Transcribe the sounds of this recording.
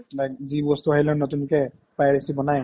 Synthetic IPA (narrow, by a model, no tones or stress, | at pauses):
aɡzibɔstuaɦilɛnɔtunkɛ | pajɹesibɔnaj